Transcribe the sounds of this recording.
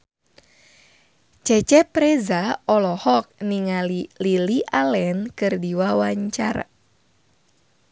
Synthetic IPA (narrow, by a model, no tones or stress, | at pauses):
t͡ʃɛt͡ʃɛpɾɛzaɔlɔhɔk̚niŋalililiʔalɛnkɨrdiwawaɲt͡ʃa̰ra